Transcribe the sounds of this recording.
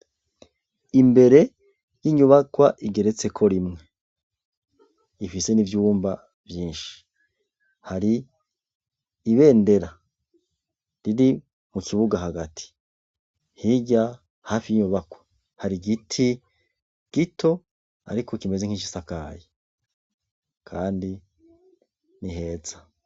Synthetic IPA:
imbe̞ɾe̞ | jiɲuβakwaʔiɡe̞ɾe̞t͡se̞kʰo̞ɾimŋe̞ | ifise̞nivjuːmba | vjiːnʃi̥ | haɾi | βe̞ːnde̞ɾa | ɾiɾi | mukʰiβuɡaɦaɡatʰi̥ | hiɟa | hafiɲuβakwe̥ | haɾiɡitʰi | ɡ̥itʰo̞ | a̰ɾiko̞kime̞zeŋ̥hiʃisakaːje | kʰaːndi | niɦe̞ːza

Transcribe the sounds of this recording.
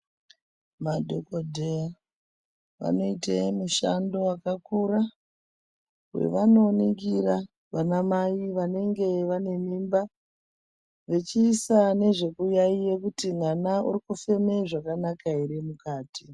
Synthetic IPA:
madʱokodʱea | ʋa̰no̞itemuʃando̞akakura | wḛʋano̞ːniɡiɾa | ʋanamaiʋane̞ŋɡe̞ʋane̞miːmba | ʋe̞t͡ʃiːsane̞ʐe̞kujaijekutin̤anaṵrikufe̞me̞ʐakanakaeɾe̞mukaːti

